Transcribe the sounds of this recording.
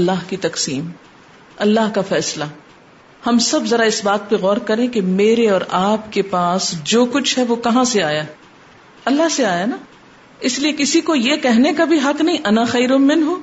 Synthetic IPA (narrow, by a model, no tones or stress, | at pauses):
ɐlːaːɦkit̪ɐqsiːm | ɐlːaɦkafɛːsla | hɐmsɐbzɐɾaɪsbaːt̪̚peɣɔːɾkɐɾẽkemeːɾeɔːɾaːpkepaːsd͡ʒoːkʊt͡ʃʰɦɛʋokɐɦãseaːja | ɐlːaɦseaːjana | ɪsliekɪsikojekɛɦnekabʱiɦɐknɐɦĩʔɐnaxɐːɾʊmɪnɦo